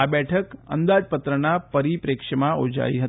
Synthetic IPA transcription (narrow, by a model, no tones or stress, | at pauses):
abɛʈʰəkə̰nd̪ad͡ʒpət̪ɾənapəɾipɾekʂəmaod͡ʒa̰iɦə